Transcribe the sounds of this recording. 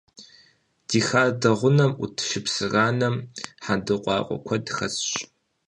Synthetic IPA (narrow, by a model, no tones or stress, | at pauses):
d̥iːxaːdɐʁʷʊnɐmʔutʰʃɪpsɨraːnɐmħadɨqʷʼɑ̰ːqʷʼɔ̰kʷʰɐdɨxɐsɕ